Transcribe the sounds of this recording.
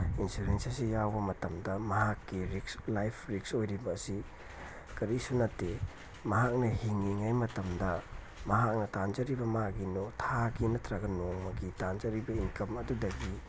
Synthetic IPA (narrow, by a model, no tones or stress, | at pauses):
insuɾensɐsijawbɐmɐtɐmdɐmɐɦakːiɾikslajpʰɾik̚sojɾibɐːsi | kɐɾisunɐtːe | mɐɦak̚nɐhiŋːiŋajmɐtɐmdɐ | mɐɦak̚nɐtand͡ʒɐɾibɐmaɡinotʰaɡinɐtɾaɡɐnoŋmɐɡitand͡ʒɐɾibɐiŋkɐmɐdudɐɡi